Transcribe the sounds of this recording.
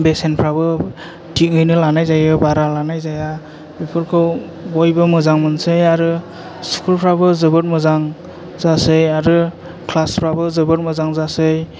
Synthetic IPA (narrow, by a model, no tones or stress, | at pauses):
besenpʰɾabɯ | tʰiŋɯjnɯlanajzajɯbaɾalanajzaja | bipʰɯɾkʰɯw | ojbɯmɯzaŋmɯnsɯjaɾɯ | skʰulpʰɾabɯzɯbɯt̚mɯzaŋ | zasɯjaɾɯ | kʰlaspʰɾabɯzɯbɯt̚mɯzaŋzasɯj